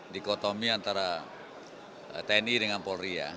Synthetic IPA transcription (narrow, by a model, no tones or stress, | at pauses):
dikɔt̪omiant̪aɾa | t̪ɛnidəŋanpɔlɾia̰